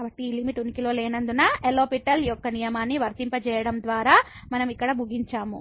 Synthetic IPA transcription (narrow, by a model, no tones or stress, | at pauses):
kaːbɐʈːiːlimiʈunːikiloːlɛːnɐnd̪unɐeloːpiʈɐlijɔkːɐnijɐmaːnːiʋɐɾt̪impɐt͡ʃɛːjɐɽɐmd̪ʋaːɾaː | mɐnɐmikːɐɽɐmuɡiɲt͡ʃaːmu